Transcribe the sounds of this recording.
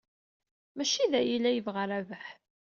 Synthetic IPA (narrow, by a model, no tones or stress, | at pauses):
mæʃiðæjilːæjəvʁəɾævəħ